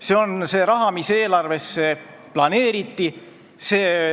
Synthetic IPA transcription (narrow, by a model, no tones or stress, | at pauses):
seo̞nse̞ːɾɑɦɑmise̞ːlɑrve̞sːe | plɑne̞ːɾit̪ːi | se̞ː